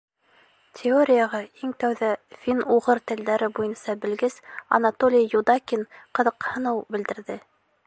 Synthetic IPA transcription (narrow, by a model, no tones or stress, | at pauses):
tʲʰɪoɾʲɪjɑʁɑiŋt̪æwðæfʲinuʁɤɾt̪ɘ̆ld̪æɾɘbujɤnsɑbɘ̆lɡɘsɐ̰nat̪olʲijjud̪ɑkʲinqɤ̆ðɤqhɤ̆nɤwbɘ̆ld̪ɘ̆ɾðɘ